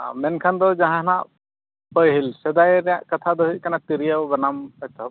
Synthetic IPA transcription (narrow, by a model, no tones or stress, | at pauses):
mɛnkʰand̪ɔd͡ʒaɦãɦnaʔ | pəjɦilsɛd̪ajɾɛja̰ʔkət̪ʰad̪ɔɦiʔ̪̚kanat̪iɾijawbanamɛt̪ʰɔb̚